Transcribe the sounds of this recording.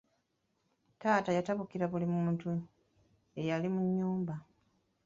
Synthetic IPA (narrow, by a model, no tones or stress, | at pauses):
taːtajataβukiɾaβulimuuːntu | e̞jalimuɲːuːmba